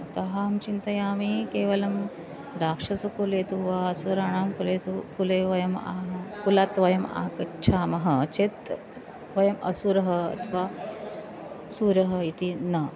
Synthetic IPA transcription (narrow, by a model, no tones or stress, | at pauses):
t̪ɐɦamt͡ʃint̪ɐjaːmikeːʋɐlɐm | ɾaːkʂɐt͡sɐkuleːt̪uʋaɐsuɾaːɳ̃aːmkulet̪ukuleʋɐjɐma̰ɦkulat̪ʋɐjɐma̰ːkɐt͡ʃʰaːmɐɦɐt͡ʃet̪ | ʋɐjɐmʔɐ̰suɾɐɦɐɐ̰t̪ʰʋa | suɾɐɦɐit̪inɐ